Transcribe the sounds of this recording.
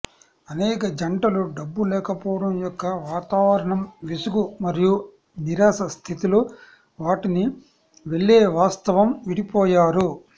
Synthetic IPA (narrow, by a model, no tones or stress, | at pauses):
ɐnɛːkɐd͡ʒɐɳʈɐluɖɐbːulɛːkɐpɔːɽɐmjɔkːɐʋaːt̪aːʋɐɾɐɳɐmʋisuɡumɐɾiju | niɾaːsɐst̪ʰit̪ilo | ʋaːʈini | ʋe̞ɭːeːʋaːst̪ɐʋɐmʋiɽipɔːjaːɾu